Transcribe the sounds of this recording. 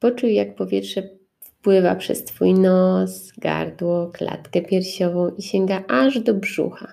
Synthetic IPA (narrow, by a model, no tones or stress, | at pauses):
pɔt͡ʂujjak̚pɔvʲjɛtʂɛ | fpwɘva̰pʂɛ̰st̪fujnɔsɡa̰ɾd̪wɔkla̰t̪kɛpʲjɛɾɕɔvɔ̃w̃ʔiɕɛŋɡaʔaʐd̪ɔbʐṵxa